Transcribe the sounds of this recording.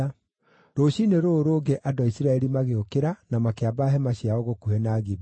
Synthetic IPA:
ɾoɕineɾoːɾoːɡɛʔadɔaisiɾaɛɾimaɣeokeɾanamakeabaɦɛmaɕiaoɣokuhɛnaːɣib

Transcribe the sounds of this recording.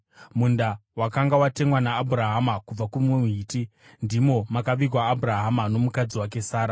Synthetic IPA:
mundawakaŋɡawate̞ŋwanaːbʱuɾaɦamakub͡vakumuɦiːti | ndimo̞makaʋik̬waːbʱuraɦamano̞mukad͡ziwak̬e̞saːɾa

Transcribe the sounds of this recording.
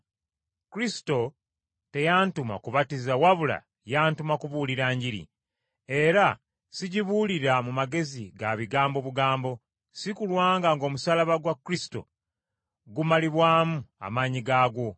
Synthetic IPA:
kuɾisi̥to̞ | te̞jaːntuma̰kuβatizawaβula̰ | jaːntumakuβuːliɾaːɲɟiɾḭ | e̞ɾa | siɟiβuliɾamumaɡe̞ziɡaβiɡaːmbo̞βuɡaːmbo̞ | sikulwaːŋɡaŋɡo̞ːmusalaβaɡwakːɾisi̥to̞̰ | ɡumaliβwaːmua̰maːɲiɡaːɡo̞

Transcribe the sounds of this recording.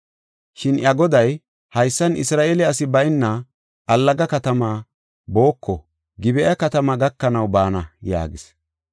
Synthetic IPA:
ʃɪnʔjɐɡɔd̪ɐj | hɐjsːɐnɪ̰sɾaːʔelɛɐs̬ɪbɐjɪnːɐ | ʔɐlːɐɡɐkɐt̪ɐmaː | bo̞ːkːɔ | ɡɪbɛʔɐkɐt̪ɐmaɡɐkːɐnɐwbaːnɐja̰ːɡɪs

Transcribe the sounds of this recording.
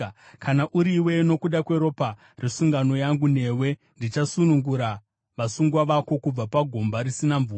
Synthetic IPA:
kʰanaʔuɾiwe̞no̞kuɗakwe̞ɾo̞pa | resuŋɡano̞jaŋɡune̞we̞ | ndit͡ʃasunuŋɡuɾa | ʋasuŋɡwaʋako̞kub͡vapaɡʱo̞mbaɾisinaɱvuː

